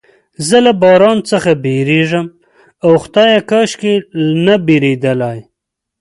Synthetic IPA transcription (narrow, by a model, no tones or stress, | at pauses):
zəlabɑɾɑnt͡səxabeɾeʒəm | awxt̪ɑjakaʃkenabeɾed̪əlaj